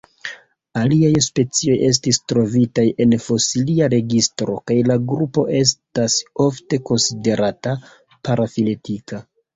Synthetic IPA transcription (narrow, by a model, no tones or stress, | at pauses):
aliajspe̞t͡sio̞je̞s̬tistɾo̞vitaje̞nfo̞siliaɾe̞ɡistɾo̞kajlaɡɾupo̞̰ʔe̞s̬taso̞fte̞ko̞nside̞ɾata | paɾafile̞tika